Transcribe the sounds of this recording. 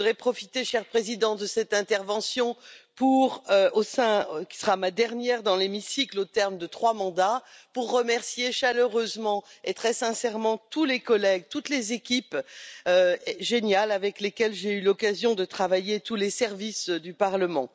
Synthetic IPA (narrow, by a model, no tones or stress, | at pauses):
ʁɛpχɔfit̪eʃɛʁpχezid̪ɑ̃d̪əsɛt̪ɛ̃t̪ɛʁvɑ̃sjɔ̃puʁøosɛ̃kʲi̥səʁamad̪ɛʁnjɛʁd̪ɑ̃lemisiklot̪ɛʁmd̪ət̪χwamɑ̃d̪apuʁːəmɛʁsjeʃaløʁøzmɑ̃et̪χɛsɛ̃sɛʁmɑ̃t̪ulekɔlɛɡ̚t̪ut̪lezekʲipøʒenjalavɛklekʲɛlʒeylɔkazjɔ̃d̪ət̪χavajet̪ulesɛʁvisd̪ypaʁləmɑ̃